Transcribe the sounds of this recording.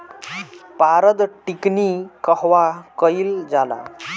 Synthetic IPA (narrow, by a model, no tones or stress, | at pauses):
paɾəd̪ʈiknikəɦʋakəild͡zala̰